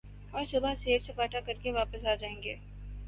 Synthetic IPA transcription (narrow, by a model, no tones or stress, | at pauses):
ɔːɾsʊbʱaseːɾsepaːʈakɐɾkeʋaːpəsaːd͡ʒaːẽːŋɡeː